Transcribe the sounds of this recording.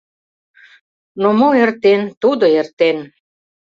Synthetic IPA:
nomoert̪ent̪ud̪oert̪en

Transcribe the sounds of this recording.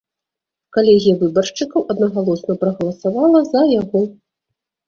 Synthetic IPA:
kalʲɛɣʲijɐvɨbɐrʂt͡ʂɨkɐwʔɐd̪nɐɣalˠɔsnɐpɾɐɣɐlˠɐsavalˠɐzɐjaɣɔ

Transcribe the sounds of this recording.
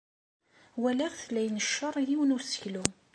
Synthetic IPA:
wælæʁθlːæjnəʃːəɾˤjiwənʊɾsə̥çlu

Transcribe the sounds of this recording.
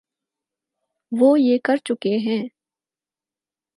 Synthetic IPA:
ʋoːjeːkɐɾt͡ʃʊkeɦɛ̃ː

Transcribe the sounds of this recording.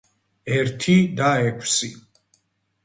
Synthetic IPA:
ɛɾt̪ʰid̪aɛkʰwsi

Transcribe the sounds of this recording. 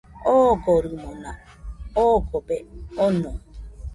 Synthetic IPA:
oɡoɾɯmona | oɡobeonõ

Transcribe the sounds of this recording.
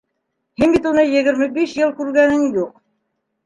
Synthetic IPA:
hinbit̪unɤjɘ̆ɣɘ̆ɾmɘbiʃjɤlˠkʉɾɡænɘŋjuq̚

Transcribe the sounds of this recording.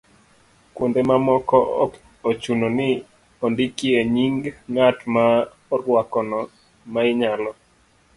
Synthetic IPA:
kwondemamɔkɔ | ot͡ʃunonɪ | ondikieɲiŋɡŋatma | ɔɾwakɔnɔ | maɪɲalɔ

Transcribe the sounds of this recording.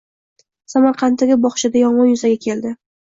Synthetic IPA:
samaɾqʰɑnt̪ːaɡʲɪbɒχʃɪd̪ajɒɴʁɒnjʊzaɡʲakʲʰe̞ld̪ɪ

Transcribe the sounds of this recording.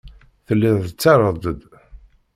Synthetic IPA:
θəlːɪðˤət͡sːɑɾˤəd̪ˤəd̪

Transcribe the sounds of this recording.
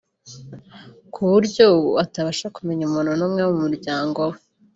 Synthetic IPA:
kʰuβuɾɟowataβaʃakume̞ɲumuːnhunumŋewumuɾɟaːŋɡowe

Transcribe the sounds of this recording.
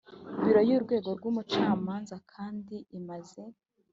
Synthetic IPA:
wiɾojuːɾɡwe̞ːɡo̞ɾɡwuːmut͡ʃaːmaːnzakʰaːndiimaze̞

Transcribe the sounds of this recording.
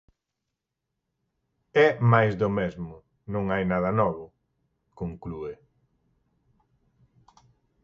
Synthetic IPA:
ɛmajzðʊmezmʊ | nõŋajnaðɐnɔβʊ | koŋklue

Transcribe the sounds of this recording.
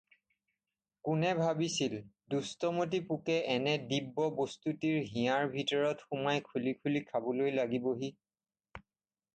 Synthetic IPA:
kʊnɛbʱabisil | dustɔmot̬ipukɛʔɛnɛdibːɔbostutiɹɦĩjaɹbʱitɔɹɔtxumajkʰulikʰulikʰabɔlojlaɡiboɦi

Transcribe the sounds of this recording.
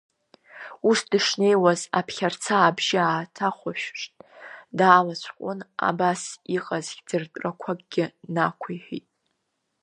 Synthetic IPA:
usdɨʂne̞jwazapʰχʲart͡sʰaːbʒɪaːtʰaχʷaʃᶣʂtʼdaːlat͡ɕʷʰqʷʼʊna̰basiqʼazɡʲd͡zɨrtʼrakʷʰaɡʼɡʲɪnakʷʰajħʷᶣḭtʼ

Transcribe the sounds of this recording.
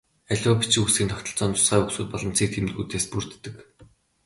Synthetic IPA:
æɮʲɔːpi̥t͡ɕĭusɡʲiːnt̪ʰɔkʲt̪ɞ̆ɬt͡sɔːnt̪ʰʊ̥sɢæːuksuːt̪̚pɔɮɞ̆m̥t͡siːk̚t̪ʰemt̪ɡuːt̪eːspur̥t̪ːɘ̆k

